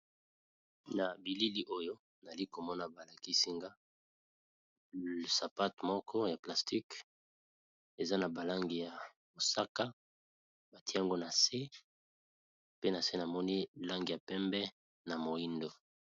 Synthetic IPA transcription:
na˨bi˨li˦li˦ʔo˦jo˦ | n˨a˨li˦ko˨mɔ˦na˨ba˨la˨ki˦si˦ŋɡa˦ | sa˨pa˦tmɔ˦kʰɔ˦ja˨pla˨sti˦k | e˨za˦na˨ba˨la˦ŋɡi˨ja˨ | mo˨sa˦ka˦ | ba˨tʰi˦a˦ŋɡo˦na˨se˦ | pe˦na˨se˦na˨mɔ˦ni˦la˦ŋɡi˨ja˨pɛ˦mbɛ˦ | na˨mo˨i˦ndo˨

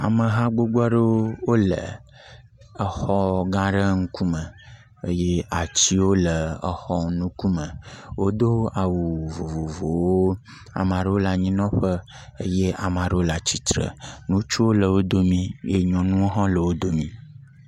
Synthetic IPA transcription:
a̰˨mə̃˨ɦã˦ɡ͡bo˦ɡ͡ba˦ɖə˦wo˦wo˦lə̰˨ | ə˨xɔ˦ɡã˦ɖə˦ŋ̩˦ku˦mə̃˨ | ə˦je˦a˨t͡ɕi˦wo˦lə˨ə˨xɔ˦nũ˦ku˦mə̃˨wo˦d̪o˦a˨wu˨vo˨vo˨vo˨wo˦ | a̰˨mã˨ɖə˦wo˦la˨ɲĩ˦nɔ̃˦ɸə˦ | ə˦je˦ʔa˨mã˨ɖə˦wo˦la˨t͡ɕi˨t̪ɾə̰˨nũ˦t͡ʃu˦wo˦lə˨wo˦d̪o˦mĩ˦je˦ɲɔ̃˨nũ˦wo˦ɦã˦lə˨wo˦d̪o˦mĩ˦

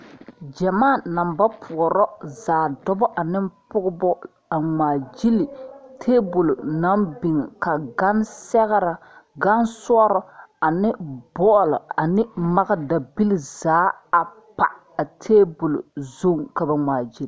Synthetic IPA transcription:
d͡ʒɛ˨maː˦˨na˨mba˦pʰʊ˨ɔ˨ɾɔ˦zaː˨dɔ˦bɔ˦ʔa˨nɪ˦mpʊ˦ɣʊ˦bɔ˦ | a˨ŋaː˨d͡ʒi˦li˨tʰeː˦bu˨lo˨na˦mbi˨ŋ˨ka˨ɡa˦nsɛ˦ɣɾa˨ | ɡa˦nswɔ˦ɾɔ˦a˨nɪ˦bɔ˦˨lɔ̰˨a˨nɪ˦ma˦ɣa˦da˨bi˦li˦zaː˨˦a˨ | pa̰˨ | a˨tʰeː˦bu˨lo̰˨zo˦ŋka˨ba˨ŋaː˨d͡ʒi˦l

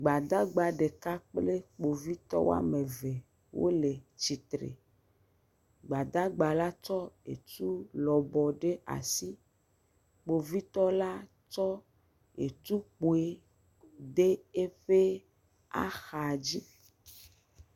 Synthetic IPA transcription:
ɡ͡ba˨d̪a˦ɡ͡ba˨ɖe˨ka˦k͡ple˦k͡po˨vi˦t̪ɔ̰˦wo̰˦a̰˦me˨ve˨ | wo̰˦le˨t͡ɕi˨t̪ɾḛ˨ | ɡ͡ba˨d̪a˦ɡ͡ba˨la˦t͡ʃɔ˦ḛ˨t̪u˦lɔ˨bɔ˨ɖe˦ʔa̰˨si˦ | k͡po˨vi˦t̪ɔ˦la˦ | t͡ʃɔ˦ | ḛ˨t̪u˦k͡po˨e˦ | ɖe˦e˦ɸe˦ | a̰˦xa˨d͡ʑi˦

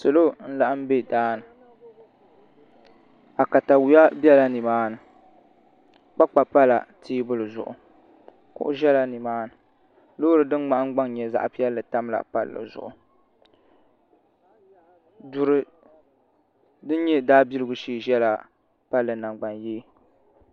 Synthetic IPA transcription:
so˨lo˦n̩˦la˨ʔa˦m̩˦be˦daː˦nɨ˨ | a˨ka˨ta˨wu˨ja˦bɛ˦la˦ni˨maː˦nɨ˨ | k͡pa˦k͡pa˨pa˦la̰˨tʰiː˦bʊ˦lɨ˨zʊ̰˨ʔʊ̰˨ | kʊ̰˦ʔʊ˦ʒɛ˦la˨ni˨maː˦nɨ˨ | lo˦ɾɨ˨dɨ˦ŋ͡ma˦ʔŋ˦ɡ͡ba˦ŋ˦ɲɛ˨za̰˦ʔpi˦ɛ˦lːɨ˨ta˦mla̰˨pa̰˦lːɨ̰˨zʊ̰˨ʔʊ˨ | du˨ɾɨ˨ | dɨ˦n˦ɲɛ˦daː˦bi˦lɨ˦ɡʊ˦ʃiː˦˨ʒɛ˦la˨ | pa˦lːɨ˨na˨ŋɡ͡ba˨njeː˦

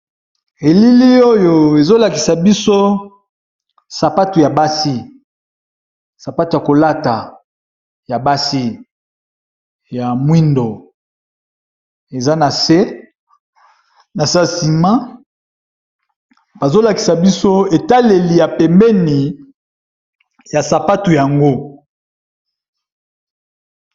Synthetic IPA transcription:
e˨li˦li˦o˦jo˨e˨zo˦la˨ki˨sa˨bi˦so˦ | sa˨pa˦tu˨ja˨ba˦si˦ | sa˨pa˦to˨ja˨ko˨la˦ta˨ | ja˨ba˦si˦ | ja˨mwi˦ndo˨ | e˨za˦na˨se˦ | na˨sa˦si˨ma˦ | b̥a˨zo˦la˨ki̥˨sa˨bi˦so˦e˨ta˦le˨li˨ja˨pɛ˨mbɛ˦ni˨ | ja˨sa˨pa˦tu˨ja˨ŋɡo˦

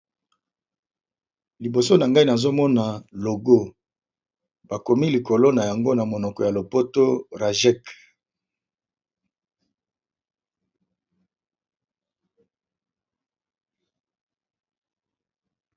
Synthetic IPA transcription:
li˨bo˨so˦na˨ŋɡa˦i˦na˨zo˦mɔ˦na˨lo˨ɡo˦ | ba˨ko˨mi˦li˨ko˨lo˦na˨ja˨ŋɡo˦na˨mo˨nɔ˨kɔ˨ja˨lo˨po˦to˦ʁa˨ʒɛ˦k

